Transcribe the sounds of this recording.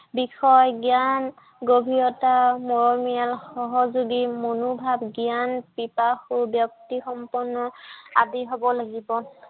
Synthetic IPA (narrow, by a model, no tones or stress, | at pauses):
bixɔjɡjan | ɡobʱiɹɔtamoɹɔmialxɔɦɔzuɡimonubʱabɡianpipaxʊbjɔk̚tixɔmpɔɹnːɔadiɦobɔlaɡibɔ